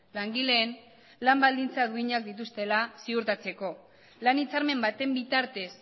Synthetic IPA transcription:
laŋɡile̞ːn | lambald̪int͡saðuiɲak̚d̪it̪ust̪e̞lasiuɾt̪at͡se̞ko̞ | lanit͡saɾme̞mbat̪e̞mbit̪aɾt̪e̞s

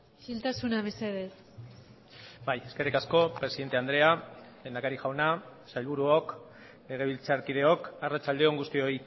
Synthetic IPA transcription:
filt̪asunaβeseð̞es | baje̞ske̞rikasko̞pɾe̞siðe̞nt̪e̞and̪ɾe̞alend̪akaɾiʝawnasajlβuɾuok | le̞ɣ̞e̞β̞ilt͡saɾkið̞e̞o̞karat͡ʃald̪e̞o̞ŋɡust̪io̞i

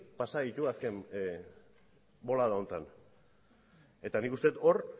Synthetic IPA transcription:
pasaðit̪uaske̞m | bo̞laðaont̪an | e̞t̪anikust̪e̞t̪o̞ɾ

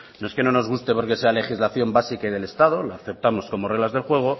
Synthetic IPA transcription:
no̞eskeno̞no̞zɣ̞ust̪e̞po̞ɾke̞se̞ale̞xizlaθjo̞mbasikaiðe̞le̞st̪að̞o̞laːθe̞p̚t̪amo̞sko̞morelazðe̞lxwe̞ɣ̞o̞

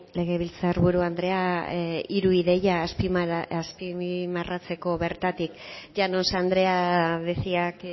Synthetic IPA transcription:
le̞ɣ̞e̞β̞ilt͡saɾβuɾuand̪ɾe̞a | iɾuiðe̞jaːspiaspimarat͡se̞ko̞βe̞ɾt̪at̪ikd͡ʒanonsand̪ɾe̞aβesiak

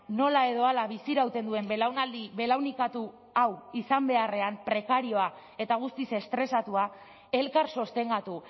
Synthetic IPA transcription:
no̞lae̞ðo̞alaβisiɾawt̪e̞nd̪ue̞mbe̞lawnald̪iβe̞lawnikat̪u | awisambe̞are̞ampɾe̞kaɾio̞a | e̞t̪aɣ̞ust̪ise̞st̪ɾe̞sat̪ua | e̞lkaɾso̞st̪e̞ŋɡat̪u

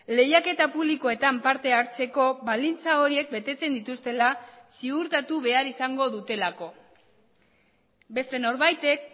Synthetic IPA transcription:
le̞jake̞t̪apuβliko̞e̞t̪ampaɾt̪e̞aɾt͡se̞ko̞βald̪int͡sao̞ɾie̞k̚be̞t̪e̞t͡se̞nd̪it̪ust̪e̞lasiɣuɾt̪at̪uβe̞aɾisaŋɡo̞ðut̪e̞lako̞ | be̞st̪e̞no̞ɾβajt̪e̞k̚

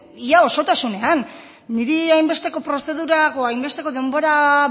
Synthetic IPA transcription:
iao̞so̞t̪asune̞anː | iɾiajmbe̞st̪e̞ko̞pɾo̞se̞ðuɾaɣo̞ajmbe̞st̪eko̞ðe̞mbo̞ɾa

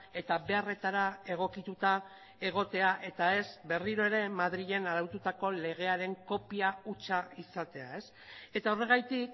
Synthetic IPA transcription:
e̞t̪aβe̞are̞t̪aɾae̞ɣ̞o̞kit̪ut̪a | e̞ɣ̞o̞t̪e̞aʔe̞t̪ae̞zbe̞riɾo̞e̞ɾe̞maðɾiʎe̞naɾawt̪ut̪ako̞le̞ɣ̞e̞aɾe̞ŋko̞piaut͡ʃaisat̪e̞a̰e̞s | e̞t̪ao̞re̞ɣ̞ajt̪ik

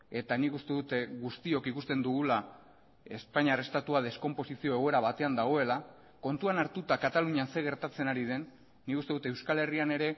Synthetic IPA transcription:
e̞t̪anikust̪e̞ðut̪eɣust̪io̞kikust̪e̞nd̪uɣula | e̞spaɲarest̪at̪uað̞e̞sko̞mpo̞sisio̞eɣe̞ɾaβat̪e̞and̪aɣ̞o̞e̞la | ko̞nt̪uanaɾt̪ut̪akat̪aluɲanse̞ɣ̞e̞ɾt̪at͡se̞naɾiðe̞nː | ikust̪e̞ðut̪ewskale̞riane̞ɾe̞

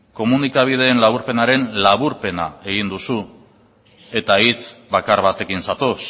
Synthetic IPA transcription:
ko̞munikaβ̞ið̞e̞ːnlaβ̞uɾpe̞naɾe̞nlaβuɾpe̞na̰e̞ɣind̪usu | e̞t̪ait͡sbakaɾβat̪e̞kinsat̪os

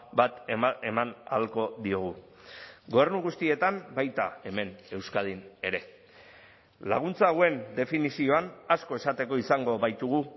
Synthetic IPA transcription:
bat̪e̞mana̰lko̞ðio̞ɣ̞u | ɡo̞eɾnuɣust̪ie̞t̪ambajt̪a̰e̞me̞ne̞wskað̞ine̞ɾe̞ | la̰ɣ̞unt͡saɣoe̞nd̪e̞finisio̞anasko̞e̞sat̪e̞ko̞isaŋɡo̞βajt̪uɣ̞u

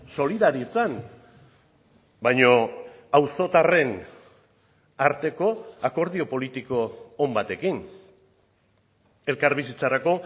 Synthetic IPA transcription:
so̞liðaɾit͡san | bajɲo | awso̞t̪are̞n | aɾt̪e̞ko̞ako̞ɾðio̞po̞lit̪iko̞ːmbat̪e̞kin | e̞lkaɾβisit͡saɾako̞

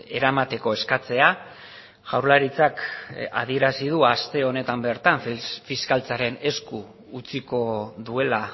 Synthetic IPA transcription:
e̞ɾamat̪e̞ko̞e̞skat͡se̞a | ɣawɾlaɾit͡saka̰ð̞ie̞ɾasiðuast̪e̞o̞ne̞t̪ambe̞ɾt̪aɱffiskalt͡saɾe̞ne̞sku | ut͡siko̞ðue̞la

